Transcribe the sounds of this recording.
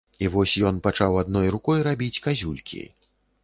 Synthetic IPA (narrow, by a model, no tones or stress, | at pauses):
ivɔsʲjɔnpat͡ʂawad̪nɔjrukɔjɾabʲit͡sʲkazʲulʲkʲḭ